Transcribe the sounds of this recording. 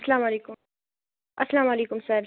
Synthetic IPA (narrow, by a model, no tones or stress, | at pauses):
slaːmɐleːkʊ | ʔɐsalaːmɐleːkʊmsaɾ